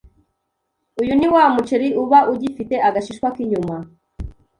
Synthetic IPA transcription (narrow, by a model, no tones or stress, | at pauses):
ujuniwamut͡ʃeɾiʔuβaʔuɟifite̞aɡaʃiʃkwakiɲuma